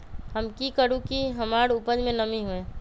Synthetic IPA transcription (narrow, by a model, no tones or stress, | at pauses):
ɦəmkikəɾũkiɦəmaːɾʊpəd͡ʒmẽnəmiɦuẽː